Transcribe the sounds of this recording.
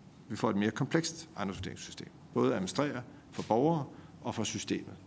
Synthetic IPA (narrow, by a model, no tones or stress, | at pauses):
ʋifɒ̰ːe̝d̥me̝ːɐkʰɒ̽mpʰleɡ̥sd̥ʔɑ̈nosfd̥e̝ɐeŋsysd̥e̝̰ːmb̥ɔ̽ːð̞̩ˠæmsd̥ʁɛ̰ːɐ | fɒ̽b̥ɒʊɐːʔɒ̽fɒ̽sysd̥e̝̰ːmð̩ˠ